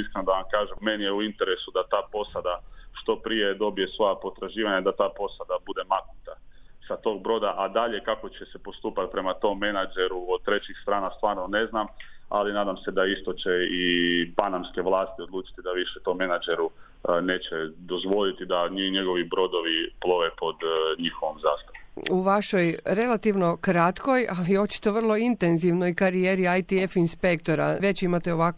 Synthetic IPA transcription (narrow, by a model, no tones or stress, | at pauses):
iskɾenod̪aʋamkaːʒemenijeuint̪e̞ɾesud̪at̪aːpo̞sad̪aʃt̪o̞pɾije̞d̪o̞bije̞sʋo̞japo̞t̪ɾaʒiːʋaɲad̪at̪aːpo̞sad̪abud̪e̞mak̪nut̪asat̪o̞ːɡ̚bɾo̞d̪aʔad̪aʎe̞kako̞t͡ɕesepo̞st̪uːpat̪̚pɾe̞mat̪o̞mːe̞nad͡ʒeɾuod̪̚t̪ɾe̞t͡ɕixst̪ɾaːnast̪ʋaːɾnone̞znama̰linaːd̪amse̞d̪aist̪o̞t͡ɕe̞ipanamskeʋlˠaːst̪iod̪lˠuːt͡ʃi̥t̪id̪aʋiʃɛt̪o̞mːe̞nad͡ʒeɾu | neːt͡ɕed̪ozʋo̞lit̪id̪aɲiɲeɡo̞ʋibɾo̞d̪oʋiplˠo̞ʋepo̞d̪ɲixoʋomzaːst̪aʋomuʋaʃojɾe̞lat̪iʋno̞kɾat̪ko̞jalio̞t͡ʃi̥t̪o̞ʋər̩lˠo̞int̪enziʋnojkaɾijeɾiajt̪iefinspekt̪o̞ɾaʋe̞t͡ʃimat̪eo̞ʋak